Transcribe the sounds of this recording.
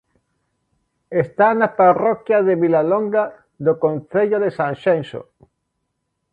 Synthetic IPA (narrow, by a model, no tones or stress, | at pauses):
est̪anaparɔkjaðeβilaloŋɡa | ðokõnθeʎoðesãnʃenso̰